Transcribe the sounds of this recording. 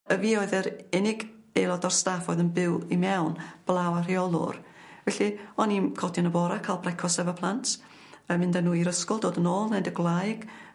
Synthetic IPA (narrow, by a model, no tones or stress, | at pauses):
əviːɔɨðəɾɪnɪɡ | ejlˠɔdɔrstafoːɨðənbɪwimɛwnb̥lˠawar̥iɔlˠʊ̰r | vɛɬiɔninkʰɔdɔnəbɔɾakʰalˠbrɛkʰɔsɛvapʰlˠantʰ | əmɪndanuːiɾəskʊlˠdoːdənoːlˠnejdəɡlˠajɡ̥